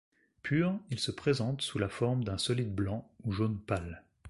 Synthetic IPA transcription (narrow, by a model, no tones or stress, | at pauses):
pʰyʁilsəpχezɑ̃t̪sulafɔʁmd̪ɛ̃sɔlid̪blɑ̃uʒonpal